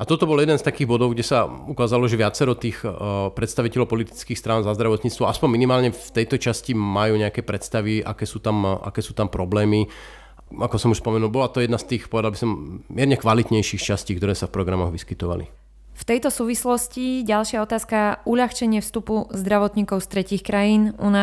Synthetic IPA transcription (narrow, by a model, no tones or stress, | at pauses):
ʔat̪ɔt̪ɔbɔljɛd̪ɛnst̪akiːɣbɔd̪ɔʊɡɟɛsaukaːzalɔʒɛʋɪat͡sɛɾɔt̪iːxpɾɛt̪st̪aʋicɛlɔʊpɔlit̪i̥t͡skiːxst̪ɾaːnzazd̪ɾaʋɔt̪ɲiːt͡st̪ʋɔaspɔɲminimaːlɲɛft̪ɛjt̪ɔt͡ʃascimajuːɲɛakɛːpɾɛt̪st̪aʋiʔa̰kɛːsuːt̪amʔa̰kɛːsuːt̪ampɾɔblɛːmi | akɔsɔmuʃspɔmɛnuːlˠbɔlat̪ɔjɛd̪nast̪iːxpɔʋɛd̪albisɔmːɪɛɾɲɛkʋalit̪ɲɛjʃiːxt͡ʃasciːkt̪ɔɾɛːsafpɾɔɡɾamɔɣʋiskit̪ɔʋa̰lḭ | ft̪ɛjt̪ɔsuːʋislɔsciɟalʃɪaɔt̪aːskauʎaxt͡ʃɛɲɪɛfst̪upuzd̪ɾaʋɔt̪ɲiːkɔʊst̪ɾɛciːxkɾajiːnuna